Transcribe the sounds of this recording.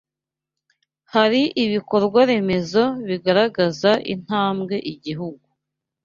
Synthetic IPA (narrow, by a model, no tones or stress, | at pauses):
haɾiʔiβiko̞ɾɡwaɾe̞me̞zo̞βiɡaɾaɡazaʔḭn̥haːmɡe̞ʔiɟiɦuɡu